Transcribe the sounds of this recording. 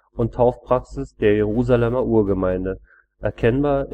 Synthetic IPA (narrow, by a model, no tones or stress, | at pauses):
ʔʊntʰaʊfpʁ̥aksɪsd̥eːɐjeʁ̞uːzalɛmɐʔuːɐɡəmaɪndə | ʔɛɐkʰɛnbaːɐ